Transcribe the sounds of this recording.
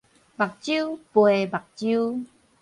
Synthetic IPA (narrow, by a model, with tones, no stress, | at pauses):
ba˨˩k̚t͡ɕju˦pwe˨ba˨k̚t͡ɕu˦